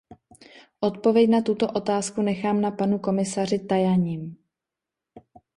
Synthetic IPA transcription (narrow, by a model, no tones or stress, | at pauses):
ʔo̞t̪̚povjɛcnat̪ut̪o̞ʔo̞t̪aːskunɛxaːmnapanuko̞mɪsar̝ɪt̪ajaɲiːm